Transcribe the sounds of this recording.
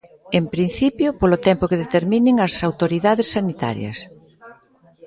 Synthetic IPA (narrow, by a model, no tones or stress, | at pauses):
empɾin̟θipjʊpolʊt̪ɛmpʊkeðet̪eɾmĩnɪŋɐsawt̪oɾiðaðesːanit̪a̰ɾjɐ̰s